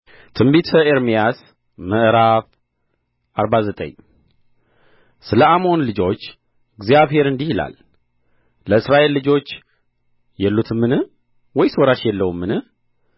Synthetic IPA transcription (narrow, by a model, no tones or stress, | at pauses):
t̪ʰɨmbit̪ʰəeɾmijas | məʔɾaf | ʔaɾbazət̪ʼə̰ɲ | sɨləamo̞nlɨd͡ʒo̞t͡ʃː | ɪɡzijaβhe̞ɾɨnd̪ihila̰lː | əɨsɾaʔe̞lːɨd͡ʒo̞t͡ʃː | jɛlːut̪ʰɨmːɨnɨ | wɔjsoɾaʃjɛlːəwmːɨnɨ